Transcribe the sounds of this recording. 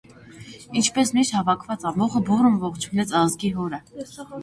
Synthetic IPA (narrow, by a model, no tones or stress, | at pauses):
int͡ʃʰpɛsmiʃhɑvɑkʰvɑt͡sɑmɔχəburəmvɔχt͡ʃʰunɛt͡sʰɑzɡiɦɔɾə